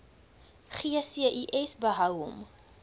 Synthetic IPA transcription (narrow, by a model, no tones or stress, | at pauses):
χiəsiəʔiʔɛsbəɦɐwɦɔ̰m